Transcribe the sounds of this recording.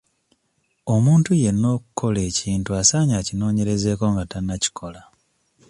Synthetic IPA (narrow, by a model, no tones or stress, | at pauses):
o̞muːntuje̞nːo̞ːku̥kʰo̞le̞ːciːntuasaːɲacino̞ːɲe̞ɾe̞ze̞ːko̞ŋɡatanːaci̥kʰo̞la